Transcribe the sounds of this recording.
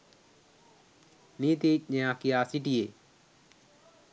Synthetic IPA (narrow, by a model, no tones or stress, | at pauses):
nit̪ec̚ɲẽakiaːsiʈie